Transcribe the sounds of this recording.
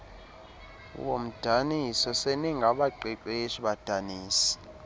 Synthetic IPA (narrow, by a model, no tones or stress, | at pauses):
wom̩d̥ʱanisɔseniŋɡʱaɓaǃiǃeʃiɓad̥ʱaniːsi̥